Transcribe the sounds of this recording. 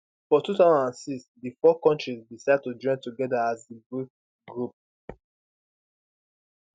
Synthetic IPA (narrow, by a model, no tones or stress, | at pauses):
fɔtutaʊzɔ̃nãnsiksdifɔkɔ̃ntɹizdisaɪd̚tud͡ʒɔ̃ɪ̃ntuɡɛdaazdibɹuk | ɡɹup̚